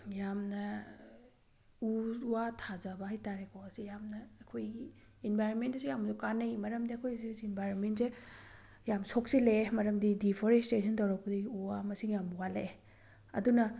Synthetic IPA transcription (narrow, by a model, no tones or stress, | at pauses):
jamnɐ | uuwatʰazabɐɦajtaɾekʰɔwɐsijamnɐːkʰojɡi | enbʱajɾonmentɐsujamzukanɐjmɐɾɐmdiɐkʰojsisːnbʱajɾonmentse | jamsok̚silemɐɾɐmdidipʰoɾestesʰɔntawɾak̚pɐdiiuwamɐsiŋjamuwale | ɐ̰dunɐ